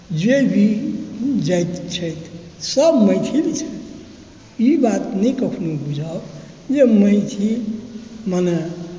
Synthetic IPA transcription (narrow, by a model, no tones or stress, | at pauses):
d͡ʒebʱi | d͡ʒajt̪t͡ʃʰəjt̪ʰsəbməjt̪ʰilit͡ʃʰət̪ | ibat̪nəkəkʰnubʱud͡ʒʱa | d͡ʒeməɪt̪ʰi | məne